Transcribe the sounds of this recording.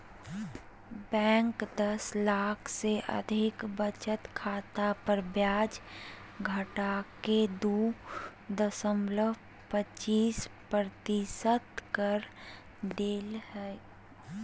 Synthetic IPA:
bɛ̃ːŋkd̪əslaːkʰseʔə̰d̪ʱɪkbət͡ʃət̪kʰaːt̪apəɾbjaːd͡ʒ | ɡʱəʈaked̪u | d̪əsəmləʋ | pət͡ʃiːspɾɾət̪isət̪kəɾ | ɖ̪eːlhɛ

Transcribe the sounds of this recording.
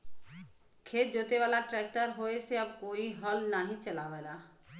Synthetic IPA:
kʰeːt̪̚d͡ʒoːt̪eʋaːlaʈɾɛːk̚ʈəɾɦoːeseɐb̚koːiɦɔlnaːɦĩt͡ʃɐlaːʋeːd̪aː

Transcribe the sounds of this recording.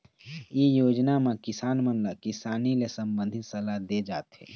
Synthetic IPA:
jejoːd͡ʒnamẽkɪsaːnmənlakɪsaːnilesə̃mbə̃nd̪ʱɪt̪sɐlad̪ed͡ʒaːt̪ɦɛ̰ː

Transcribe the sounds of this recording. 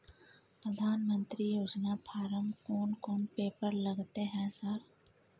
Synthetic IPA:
pɾəd̪ʱaːnmə̃nt̪ɾijoːd͡ʒnapʰaːɾəmkɔːnkɔːnpeːpəɾlɐɡt̪eɦɛ̃səɾ

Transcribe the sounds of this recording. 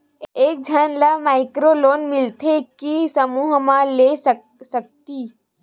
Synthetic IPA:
eːk̚d͡ʒʱənlamaːɪkɾoloːnmɪlt̪ʰekisəmuːɦmãles | sək̚t̪iː

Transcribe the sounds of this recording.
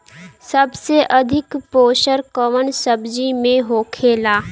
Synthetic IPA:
səbseʔəd̪ʱɪkpoːʃəɾkəʋənsəbd͡ʒimẽɦoːkʰeːlaː

